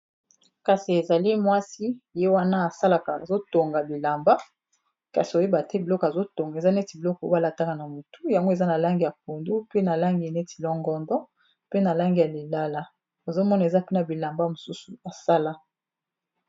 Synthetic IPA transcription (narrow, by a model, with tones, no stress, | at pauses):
ka˨si˨e˨za˨li˦mwa˦si˦je˦wa˦na˦a˨sa˦la˨ka˨zo˦to˨ŋɡa˨bi˨la˨mba˦ | ka˨si˨o˨je˦ba˨te˦bi˨lɔ˦kɔ˨a˨zo˦to˨ŋɡa˨za˦ne˦ti˨bi˨lɔ˦kɔ˨o˦a˦la˨ta˦ka˨na˨mu˨tʰu˦ja˨ŋɡo˦e˨za˦na˨la˦ŋɡi˨ja˨k̚o˨ndu˦pe˦na˨la˦ŋɡi˨ne˦ti̥˨lɔ˦ŋɡɔ˦ndɔ˦ | pe˦na˨la˦ŋɡi˨ja˨le˨la˦la˦ | o˨zo˦mɔ˦na˨e˨za˦pe˦na˨bi˨la˨mba˦mo˨su˦su˨a˨sa˦la˦